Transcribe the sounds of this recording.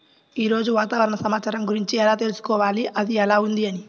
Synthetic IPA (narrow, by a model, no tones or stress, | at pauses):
iɾoːd͡ʒuwaːt̪aːʋɐɾɐnɐsɐmaːt͡ʃaɾɐŋkuɾiɲt͡ʃɛjalat̪elisi̥kɔʋaːliʔɐðijalaund̪iani